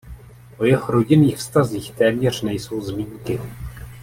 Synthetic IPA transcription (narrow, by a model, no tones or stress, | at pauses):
ʔo̞jɛɦoɾo̞ɟɪniːxfst̪aziːxt̪ɛːmɲɛr̝̥nɛjso̞wzmiːŋkɪ